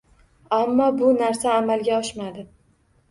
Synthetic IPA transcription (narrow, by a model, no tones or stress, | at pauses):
amːɒbʊnaɾsaːmalɡʲaɒʃmad̪ɪ